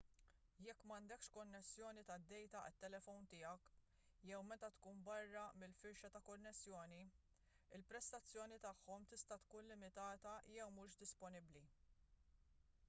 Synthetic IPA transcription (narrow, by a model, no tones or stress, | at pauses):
jɛkːmɐnd̪ɛkʃkɔnːɛsːjɔːnit̪ɐd̪ːɛjt̪ɐʔɪ̰t̪ːɛlɛfɔwnt̪ɪːɐk | jɛwmɛt̪ɐt̪kuːnbɐrːɐmɪlfɪɾʃɐt̪ɐkɔnːɛsːjɔːni | ɪlpɾɛst̪ɐt͡sːjɔːnit̪ɐħːɔmt̪ɪst̪ɐt̪kuːnlɪmɪt̪ɐːt̪ɐjɛwmuːʃd̪ɪspɔnɪbli